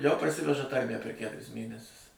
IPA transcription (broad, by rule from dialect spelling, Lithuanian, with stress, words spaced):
jɛʊ pɐrʲˈsʲɪʋʲɛʒɐ ˈtɐrʲmʲæ pʲɛr ˈkʲætʊrʲɪs ˈmʲeːnʲɛsʲʊs